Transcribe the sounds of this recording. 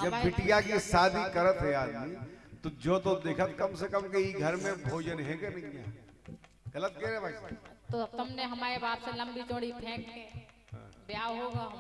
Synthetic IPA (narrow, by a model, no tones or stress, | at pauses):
d͡ʒɐbɪʈijakisaːd̪ʱikɐɾət̪ɦɛaːd̪mit̪od͡ʒoːt̪od̪eːkʰət̪kɐmsekəmkeiɡʱɐɾmẽbʱoːd͡ʒənɦɛkenɐɦĩaː | ɣɐlət̪̚keːɾebaset̪ot̪ʊmneɦɐmaːɾebaːpselɐ̃mbit͡ʃõːɽipʰẽːkke | bjaːʋɦoːɡaɦ